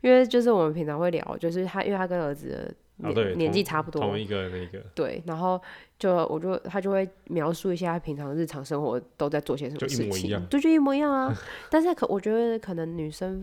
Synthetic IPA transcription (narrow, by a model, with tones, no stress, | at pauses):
i˥nwe˥˧ɪt͡ɕjo˥˧ʊʂ̬ɻ̩˥˩wɔ˨˩mə˨˦npʰi˧˥ŋt͡sʰɑ˧˥ŋxwe˥˩ɪljɑ̰˨˥ʊ˦t͡ɕjo˥˧ʊʂ̬ɻ̩˥˩t̪ʰa˥ʔḭ˥we˥˧tʰa˥kə˥nə˞˧˥d͡zɹ̩˨˩d̪ə̰˩ | njɛ̰˨˧˦njɛ˧˦nt͡ɕi˥˩ʈ͡ʂʰa˥pʰu˥˩t̪wɔ˧i˧ɡə˧n˥˩i˧˩ɡə˩t̪we˥˩ɪna˧˥nxo˥˩ʊt͡ɕjo˥˩ʊ˨wʔɔ̰˨˩t͡ɕɥɔ˥˩t̪ʰa˥t͡ɕjo˥˧ʊxwe˥˩ɪmjɑ˧˥ʊʂu˥˧i˧˥ɕ̬ja˥˧t̪a˥˩pʰi˧˥ŋʈ͡ʂʰɑ˧˥ŋ˧ɻ̩˥˩ʈ͡ʂʰɑ˧˥ŋʂə˥ŋxwɔ̰˧˥˦t̪o˥ʊt͡sa˥˧ɪt͡sɔ˥˩i˥ɕjɛ˥ʂə˨m˧˦ʂ̩˥˩t͡ɕḭ˨˩˧t͡ɕ̪o˥˧t͡ɕjo˥˧ʊi˥˩mwɔ˧˥˧i˧˥jɑ˥˩ŋ˧t̪a˥˧nʂ̬ɻ̩˥˩kʰwʔɔ˨˩t͡ɕɥɛ˧˥˧kʰɤ˨˩nə˧˥ŋny˨˩ʂə˥n